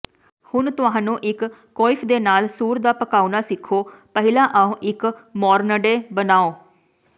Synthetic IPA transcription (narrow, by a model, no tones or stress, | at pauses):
hʊnt̪ʊãːnũːʔɪkː | ɔːɪpʰd̪eːnaːlsuːɾd̪aːpəkaːunaːsɪkʰːoːpəɦɪlãːʔaːõːʔɪkmɔːɾnəɖeːbənaːoː